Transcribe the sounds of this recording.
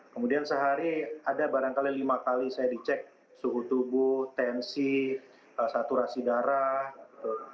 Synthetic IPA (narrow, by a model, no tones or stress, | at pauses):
kəmudiansəɦaɾiadabaɾaŋkalilimakalisajadit͡ʃɛk̚ | sukut̪ubʊht̪ɛnsi | əsat̪uɾasidaɾahɡit̪u